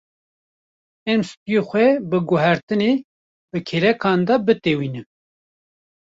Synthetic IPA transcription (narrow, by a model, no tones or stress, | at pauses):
ɛmsɨ̥t̪ijoxʷɛbɨɡʊɦæɾt̪ɨne | bɨkʰeɾɛkʰɑːnd̪ɑbɨt̪ewiːnɨm